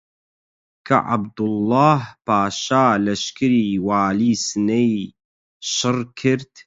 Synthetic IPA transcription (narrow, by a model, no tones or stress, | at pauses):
kʰɐ̰ʔa̰bd̪ʊlːaːhpaːʃaːlɐʃkɨɾiːwaːliːsɨnej | ʃɨrkʰɨɾt̪